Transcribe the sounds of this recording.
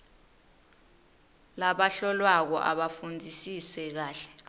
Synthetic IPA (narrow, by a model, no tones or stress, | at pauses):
laɓaɬɔlwak̬ɔ̰ʔa̰ɓafund͡zʱisisɛk̬aːɬɛ̥